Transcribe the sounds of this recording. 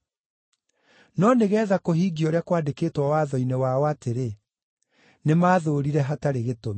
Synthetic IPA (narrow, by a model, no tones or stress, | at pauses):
nɔneɣɛːðakoɦiːɡiɔɾeakwaːdekeːtwawaːðɔinewaɔateɾe | nemaːðoɾiɾɛɦataɾeɣetomi